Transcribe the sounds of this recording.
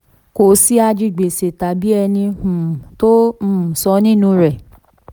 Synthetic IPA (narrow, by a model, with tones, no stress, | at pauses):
ko˨si˦a˧d͡ʒi˦˨ɡ͡be˨se˨ta˨bi˦ɛ˧nĩ˧ũ˨tõ˦˨sɔ˧nĩ˦nũ˧ɾɛ˨